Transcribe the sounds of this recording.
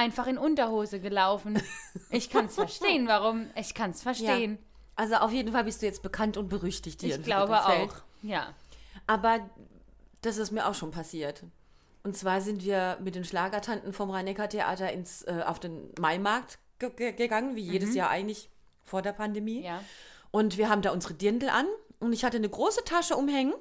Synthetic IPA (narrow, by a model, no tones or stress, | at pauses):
ʔaɪnfaχɪnʔʊntɐhoːzəɡəlaʊfn̩ʔɪçkʰansfɛɐʃteːənvaʁʊmʔɪçkʰansfɛɐʃjteːən | ʔalzoʔaʊfjeːdn̩falbɪstd̥uːjɛt͡st̚b̥əkʰantʊnt̚b̥əʁʏçtɪçtd̥ɪːɐɡlaʊbəʔaʊxjaːʔaːbɐ | d̥asɪstmiːɐʔa̰ʊxʃoːnpʰasiːɐt | ʔʊntt͡sv̥aːɐzɪntv̥iːɐmɪt̚d̥eːnʃlaːɡɐtʰantn̩fɔmʁaɪnɛkɐtʰeʔa̰ːtɐɪnsʔɛːʔa̰ʊfd̥eːnmaɪmaɐk̚t | ɡ̥əɡəɡəɡaŋənviːjeːdəsjaːɐʔa̰ɪɡŋ̩tlɪç | foːɐdeːɐpʰandemiːjʔʊntv̥iːɐɦaːbm̩daːʔʊnzəʁədɪndl̩ʔa̰nʔʊntɪçhatənəɡʁoːsətʰaʃəʔʊmhɛŋən